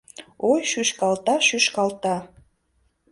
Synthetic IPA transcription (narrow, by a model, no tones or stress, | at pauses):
ojʃyʃkɑlt̪ɑʃyʃkɑlt̪ɑ